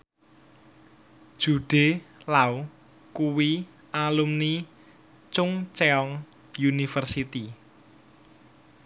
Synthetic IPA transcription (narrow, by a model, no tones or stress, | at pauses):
d̥ʒ̥uɖ̥e̤lau | kuwi | ʔalumni | t͡ʃʊŋt͡ʃeɔŋ | junifərsit̪i